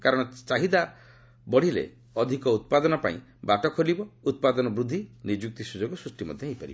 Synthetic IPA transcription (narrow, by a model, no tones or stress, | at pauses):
kaɾɔɽ̃ɔt͡ʃaɦid̪a | bɔɽ̤ilḛ | ɔd̪ʱikɔut̪̚pad̪ɔnɔpa̰ḭ̃baʈɔkʰolibɔut̪̚pad̪ɔnɔbɾud̪ʱːinid͡ʒuk̚t̪isud͡ʒoɡɔsɾusʈimɔ̰d̪ʱjɔejpaɾḭbɔ